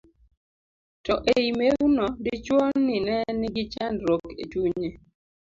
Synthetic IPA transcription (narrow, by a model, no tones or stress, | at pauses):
tɔʔeimeɡunɔdɪt͡ʃwonːɪnɛnɪɡɪt͡ʃandɾokḛtuɲe